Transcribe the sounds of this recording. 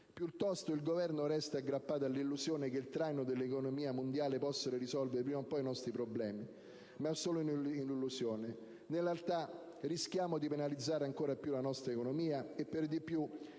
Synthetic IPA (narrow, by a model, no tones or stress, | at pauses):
pjut̪ːɔst̪oilɡovɛrnoɾɛst̪aaɡːɾapːaːt̪̬alːilːusjoːnek̟eilt̪ɾajnod̪elːekonomiːamond̪jaːlepɔsːeɾoɾisɔlveɾepɾimapːɔinɔst̪ɾipɾoblɛːmi | masːoːloininilːusjoːne | nelːalt̪a | risk̟jaːmod̪ipenalid̪zːaːɾeaŋkoːɾapjulanɔst̪ɾaekonomiːaepːerd̪ipːju